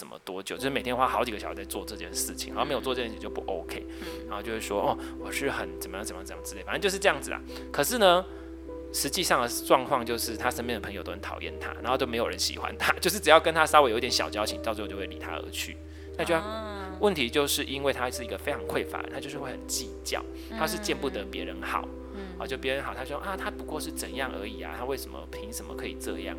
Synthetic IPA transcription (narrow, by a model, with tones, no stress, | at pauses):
ʂə˨˩mə̰˦t̪wɔ˦˥t͡ɕjt͡ɕj̩˥˧˥e˨˩t̪ʰjnxwa˥˩xɑ˧˥ʊt͡ɕi˨ɡə˩ɕt͡sa˥˧ɪt͡swɔ˥˧ʈ͡ʂɤ˥˧t͡ɕjɛ̰˥˧nʂɻ̩˥˩t͡ɕʰi̥̰˨˦xa˨˦˥me˧˥jwɔ˥˧˥t͡ɕi˨˩˨jo˥˩ʊpu˥˩ʔo˦ʊkʰe˥ɪna˨˧˦xo˥˧˩t͡ɕjo˥˧ʊwʂe˥˩ʂwɔ̰˦ʔɔ˥˧˩wɔ˨˩ʂɻ̩˥˩xə˨˩nt͡sə˨˩mə˦jŋt͡sə˨˩m˨˧˥j̪ə˩ɹ̩˧e˥˩fə˥˧t͡ɕjo˥˧ʂɻ̩˥˧ʈ͡ʂɤ˥˧jɑ˥˩ŋd͡zɹ̩˩la̰˩ | kʰɤ˨˩ʂɻ̩˥˩nə˩ | ʂɻ̩˧˥t͡ɕi˥˧ʂɑ˥˩ŋə˩ʈ͡ʂwɑ˥˧ŋkʰwɑ˥˧ŋt͡ɕjo˥˧ʊʂɻ̩˥˩t̪ʰa˦˥ʂə˥np̬jɛ˥˩nd̪ə˩pʰə˧ŋjo˨ʊt̪o˥n˧˦nt̪ʰɑ̰˨˩ʊjɛ̰˥˩nt̪ʰa̰˦˥na̰˨˧˦xo˥˧t͡ɕo˥˩me˧˥ɪo˨˩ɻə̰˧˦nɕḭ˨˩xwa̰˦nt̪ʰa˦˥t͡ɕjo˥˧ʊʂɻ̩˥˩ʈ͡ʂɻ̩˨˩jɑ˥˩ʊkə˦˥nt̪ʰa˥sɑ˥we˧˥jo˧˦˥t̪jʲɕjɑ˨˩ʊt͡ɕjɑ˥ʊt͡ɕʰi˧˥ŋt͡ɕt͡st͡ɕo˥˧˩we˥˩˨lḭ˨˩t̪ʰa̰˥ə̰˧˥t͡ɕʰy̰˥˩ | na˥˩t͡ɕ | wʔə˥˩nt̪ʰi˧˦t͡ɕjo˥˧ʊʂɻ̩˥˩ʔi˦nwe˥ɪt̪ʰa˦˥˧ʂɻ̩˥˩i˧˥ɡə˧fe˥ɪʈ͡ʂʰɑ˧˥ŋkʰwe˥˩ɪfa̰˨˦˩a˥t͡ɕo˥˧ʊʂɻ̩˥˧wə˨˩nt͡ɕi˥˧t͡ɕjɑ̰˥˩ʊ | t̪ʰa˥ʂɻ̩˥˧t͡ɕɛ˥˧npu˥˩d̪ə˩pjɛ˧˥ɻə˧˦nxɑ̰˨˩˦ʊ˨˧ | t͡ɕjo˥˧˥pjə˧˦nxt̪ʰa˦˥˧ʔa˥˩t̪ʰa˥pu˧˥kwɔ˥˧ʂɻ̩˥˩t͡sə˨˩njɑ˥˩ŋʔə̰˧˥i˨˩a̰˨˩t̪ʰa˥we˥˩ɪʂə˨˦mə̰˨pʰi˧˥ŋʂə˨nmə̰˨kʰɤ˧˦i˨˩ʈ͡ʂɤ̰˥˧jɑ̰˥˨˩ŋ